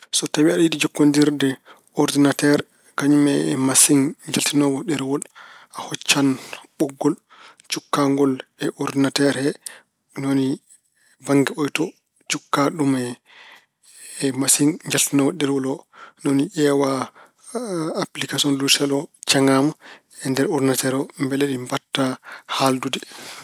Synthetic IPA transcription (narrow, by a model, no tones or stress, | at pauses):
sɔtawiaɗidid͡ʒɔkːɔndiɾdɛ | ɔɾdinatɛɾ | kaɲumɛmasiŋɲd͡ʒaltinɔɡɔɗɛɾwɔlahɔt͡ʃːanɓɔɡːɔl | t͡ʃukːaŋɡɔlɛʔɔɾdinatɛɾhɛ | noni | baŋɡɛɔjtɔ | t͡ʃukːaɗumɛ | ɛmasiŋɲd͡ʒaltinɔɡɔɗɛɾwɔlɔnoniʔɛwa | plikasiɔnlusɛlɔt͡ʃaŋam | ɛndɛɾɔɾdinatɛɾɔmbɛleɗimbatːahaldudɛ